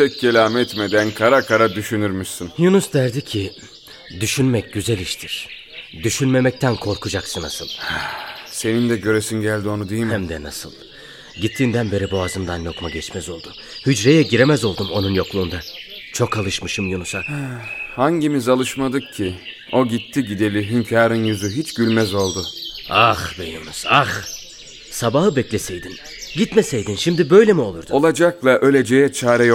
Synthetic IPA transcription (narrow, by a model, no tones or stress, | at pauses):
pʰɛc̚ːelʲaːmɛt̪med̪ænkʰaɾakʰaɾad̪yʃynyɾmyʃsɯnjunusd̪æɾd̪icʰi | d̪yʃynmɛc̚ɟyzɛlʲiʃt̪ʰiɾ̥ | d̪yʃynme̞mɛc̚t̪ʰænkʰo̞ɾkʰud͡ʒaksɯna̰sɯ̰lˠ | se̞nind̪ɛɟø̞ɾesinɟælʲd̪io̞nud̪ejimhæmd̪ɛnasɯ̰lˠ | ɟit̪ʰːiːnd̪ænbe̞ɾiboazɯmd̪anjo̞kmaɟɛt͡ʃmɛzo̞lˠd̪ʊ | hyd͡ʒɾe̞jɛɟiɾe̞mɛzo̞lˠd̪umo̞nunjo̞klˠuːnd̪at͡ʃʰo̞kʰalˠɯʃmɯʃɯmjunusa | haɲɟimizalˠɯʃmad̪ɯk̚cʰi | o̞ɟit̪ʰːiɟid̪e̞lʲiɦimcʰaːɾɯnjyzyɦit͡ʃɟ̥ylʲmɛzo̞lˠd̪ʊaxd̪ejɯmɯz̥ax | sabahɯbɛclʲɛsejd̪in | ɟit̪mɛsejd̪inʃimd̪ibø̞jlʲemio̞lˠuɾd̪uo̞lˠad͡ʒaklˠaʔø̞lʲe̞d͡ʒejɛt͡ʃʰaːɾɛj